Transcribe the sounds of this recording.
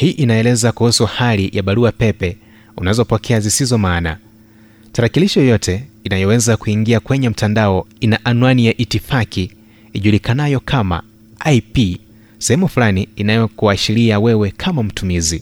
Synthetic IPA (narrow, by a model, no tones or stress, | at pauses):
hiːʔinaɛlɛzakuhusuhalijʔaɓaɾuapɛpɛ | unazɔpɔkʰɛazisizɔmaːna̰ | taɾakiliʃɔjɔjɔtʰɛinajɔwɛzakuiŋɡiakwɛɲɛm̩tandaɔinaʔanwanijaʔitifakiː | ʄulikanajɔkʰama̰ | ajpi | sɛhɛmufulaniːnajɔkuaʃiliawɛwɛkʰamam̩tumizi